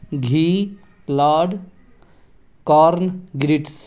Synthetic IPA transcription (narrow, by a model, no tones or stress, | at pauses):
ɡʱiː | klaːɖ | kaːɾnɡɾiʈs